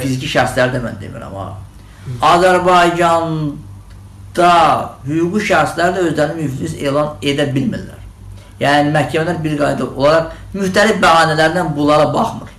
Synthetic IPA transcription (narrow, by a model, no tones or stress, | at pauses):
fizicʰiʃæɾslæɾid̪æmæ̰nd̪ḛmḭɾæ̰mɑ̰ | ɑzæɾbɑjd͡ʒɑn | d̪̥ɑhyɡuɡiʃæɾslæɾid̪æø̞zlæɾinimyfise̞ːlˠɑne̞d̪æbilmḭlːæ̰ɾ | jæːnimæhcʰæmælæɾbiɾɡɑjd̪ɑʔo̞̰lˠɑɾɑq | myht̪ælifbæɣɑːnælæɾd̪ænbulˠɑɾɑbɑχmɯ̰ɾ